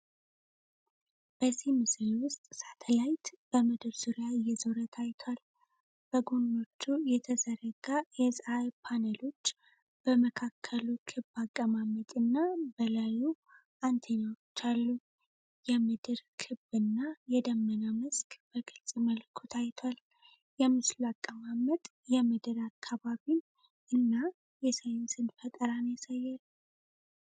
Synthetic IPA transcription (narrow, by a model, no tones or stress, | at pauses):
b̥əzimɨsɾiwʊst̪ʼsat̪ʰəlajt̪b̥əmɨd̪ɨɾsɨɾjajɛzoɾət̪ʰajt̪ʰwal | b̥əɡono̞t͡ʃːujɛt̪ʰəzəɾəɡajɛsʼajpʰanəlo̞t͡ʃː | b̥əməkʰakʰːəlukʰɨbakʼːəmamət̪ʼɨnːabəlaju | ʔant̪ʰeɲawot͡ʃːalːu | jɛmɨd̪ɨɾkʰɨbɨnːajɛd̪əmːənamɨskb̥əɡɨlsʼməlkʰot̪ʰajt̪ʰal | jɛmɨslakʼːəmamət̪ʼ | jɛmɨd̪ɨɾakʰːaβaβin | ʔɨnːa | jɛsəjɪnsɨnd̪fət̪ʼəɾanjasajːal